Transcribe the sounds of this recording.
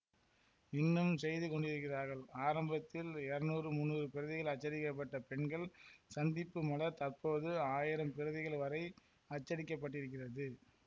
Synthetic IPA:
ɪnːɯmsɛjðɯkɔɳɖɪɾɯkːɪraːɾɣɐɭaːɾɐmbɐt̪ːɪlɛɾnuːrɯmʊnːuːrɯpɪɾɯðɪɣɐɭɐt͡ʃːɐɽɪkːɐp̬ːɐʈːɐpɛɳɡɐɭsɐnd̪ɪpːɯmɐlɐt̪ɐɾpoːðɯaːjɪɾɐmpɪɾɯðɪɣɐɭʋɐɾɐɪ | ɐt͡ʃːɐɽɪkːɐp̬ːɐʈːɪɾɯk̬ːɪrɐðɯ

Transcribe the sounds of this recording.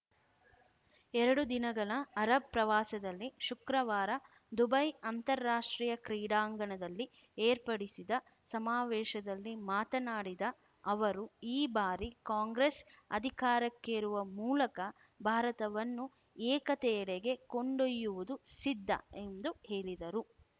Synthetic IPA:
ɛɾɐɽud̪inɐɡɐɭɐɐɾɐb̚pɾɐʋaːsɐd̪ɐlːiʃukɾɐʋaːɾɐ | d̪ubɐjɐnt̪ɐɾːaːʂʈɾiːjɐkɾiːɽaːŋɡɐɳɐd̪ɐlːi | eːɾpɐɽisid̪ɐ | sɐmaːʋɛːʃɐd̪ɐlːimaːt̪ɐnaːɽid̪ɐ | ɐʋɐɾuiːbaːɾikaːŋɡɾesɐ̰d̪ʱikaːɾɐkːeɾuʋɐmuːlɐkɐ | bʱaːɾɐt̪ɐʋɐnːu | ɛːkɐt̪ɛɐɽeɡe̞koɳɖojːuʋud̪usid̪ʱːɐ̰emd̪uheːɭid̪ɐɾu

